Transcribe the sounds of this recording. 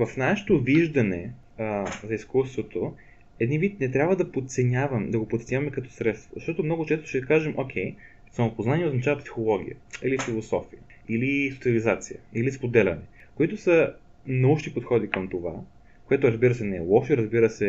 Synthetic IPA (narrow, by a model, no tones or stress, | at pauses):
vɐfnaʃɛ̥t̪oviʒd̪ɐnɛ | zɐiskust̪vot̪o | ɛd̪ninvit̪nɛt̪ɾʲabvəd̪ɐpot̪sɛnʲavɐmd̪ɐɡopot̪sɛɲʲavɐmɛkɐt̪ɔ̥sɾɛt̪st̪vozɐʃt̪ɔt̪omnɔɡʊt͡ʃɛst̪ʊ̥ʃɛd̪ɐkaʒɛmʔok̟ʰʲɛj | sɐmopoznaniɛoznɐt͡ʃavɐpsi̥xolˠɔɡʲḭjə̰ilifilˠosɔfijə | ilisot̪siɐlizat̪sijəilispod̪ɛlʲɐnɛkoit̪ʊsə | nɐuʃnipot̪xɔd̪ikɐmt̪ova̰ | koɛt̪ʊɾɐzbiɾəsɛnɛɛ̰lˠɔʃeɾəzbiɾəsɛ